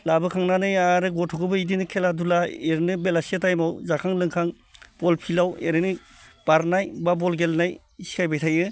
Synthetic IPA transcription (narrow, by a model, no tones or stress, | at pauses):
labɯkʰaŋnanɯjaɾɯɡɔtʰɔkɯbɯidinɯkʰeladulaeɾɯnɯbelasietajmawzakʰaŋlɯŋkʰaŋ | b̥ɔlpʰilaweɾɯnɯ | b̥aɾnajbabɔlɡelnaj | isi̥kʰajbajtʰajɯ